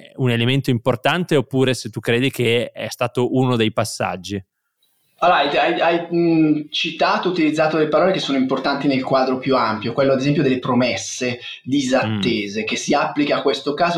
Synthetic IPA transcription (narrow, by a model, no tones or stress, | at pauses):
unelement̪oimport̪ant̪eopːuːɾeset̪ːukːɾeːd̪ikeɛ̰st̪aːt̪oʔunod̪ejpasːa̰d͡ʒːi | alajajaj | t͡ʃit̪aːt̪out̪ilid̪zːaːt̪od̪elepaɾɔːlekesːoːnoimport̪ant̪inelkwaːd̪ɾopjuampjokwelːoad̪ezɛmpjod̪elːepɾomɛsːe | d̪izat̪ːeːzekesːiapːlikakːwest̪okaːzo